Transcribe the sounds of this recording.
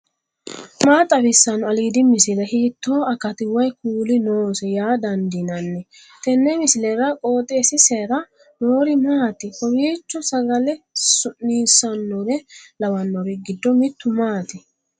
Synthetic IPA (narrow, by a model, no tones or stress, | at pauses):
maːt̪ʼːɐbɪsːɐnːɔɐliːd̪ɪmɪsɪlɛhiːt̪ːoːɐkɐt̪ɪwɐjkuːlɪnoːsɛjaːd̪ɐnd̪ɪnɐnːɛ | t̪ɛnːɛmɪsɪlɛɾɐkʼo̞ːt̪ʼːeːsɪseɾɐ | noːɾɪmaːt̪ɪhɔwiːt͡ʃːɔsɐɡɐlɛsʊnniːsːɐnːɔɾɛlɐwɐnːɔɾɪɡɪd̪ːɔmɪt̪ːʊmaːt̪ɪ